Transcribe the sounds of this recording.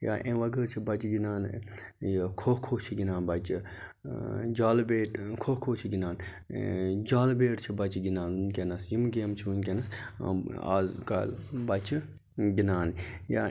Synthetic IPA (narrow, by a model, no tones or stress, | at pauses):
ja̰ːʔẽʋɐɡəɾt͡ʃʰibɐt͡ʃɡinaːn | kʰohkʰoːt͡ʃʰiɡʲinaːnbɐt͡ʃi | d͡ʒaːlbeːʈkʰokʰoːt͡ʃʰiɡinaːn | d͡ʒaːlbeːʈt͡ʃʰibɐt͡ʃʰiɡinaːnunkʲenɐsjimɡeːmt͡ʃʰiunkʲenɐs | a̰ːzka̰lbɐt͡ʃʰi | ɡinaːnja̰ː